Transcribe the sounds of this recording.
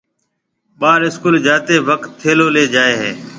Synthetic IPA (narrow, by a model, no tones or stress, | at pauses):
ɓaːɾɪskuːld͡ʒaːt̪eːʋəkt̪ʰːeːloːleːd͡ʒaːeːɦeː